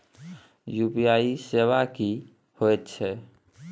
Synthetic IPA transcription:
jupijaisebaki | hoet̪t͡ʃʰɛ

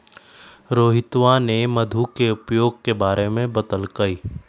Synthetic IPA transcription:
ɾoːɦɪt̪ʋanemɐd̪ʱukeʊpjoːɡ̚kebaːɾʔemẽbɐt̪əlkɐiː

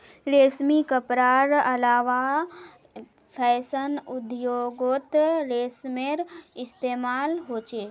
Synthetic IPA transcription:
ɾeːsmikəpɾaːɾɐlaːʋa | pʰɛːsənʊd̪joːɡot̪ɾeːsmeɾɪst̪eːmaːlɦoːt͡ʃeː

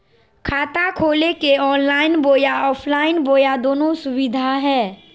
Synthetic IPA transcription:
kʰaːt̪akʰoːlekeɔːnlaːɪnboːjaɔːpʰlaːɪnboːjad̪oːnõsʊwɪd̪ʱaɦɛː

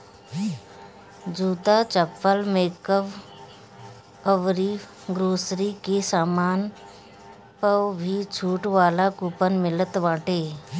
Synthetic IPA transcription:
d͡ʒuːt̪at͡ʃəpːəlmeːkəʋ | əʋɾiː | ɡɾoːsɾikesaːmaːn | pəwbʱit͡ʃʰuːʈʋaːlakuːpənmɪlət̪ʋãːʈeː

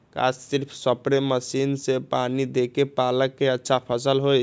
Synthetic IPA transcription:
ka̰ssiɾpʰsəpɾeməsinsepanid̪ekepaləkːeətːʃʰapʰəsəlɦoj

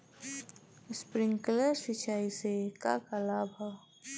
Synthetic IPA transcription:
spɾɪ̃ŋɡkleɾsɪt͡ʃaːiseka̰kəlaːbʱa

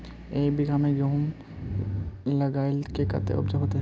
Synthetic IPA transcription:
eːbiɡaːmeɡɾoɦm | lɐɡaːɪlkekɐ̰t̪ḛʊ̰b̚d͡ʒəɦoːt̪eɦ

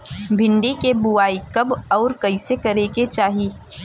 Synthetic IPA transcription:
bʱɪ̃ɳɖikebʊaːikɐbɔːɾkɐisekɐɾeːket͡ʃaːɦiː

